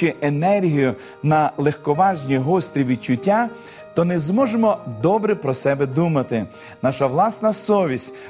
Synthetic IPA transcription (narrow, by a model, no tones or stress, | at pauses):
ɪʔenɛrɦijʊ | nɐlˠexkɔʋɑʒnʲiɦɔst̪ʲɾʲiʋʲid̪t͡ʃʊtʲːa | t̪ɔnɪzmɔʒemɔd̪ɔbɾɪpɾɔsɛbɛd̪umɐt̪ɪ | nɑʃɐʋlˠɑsnɐsɔʋʲisʲ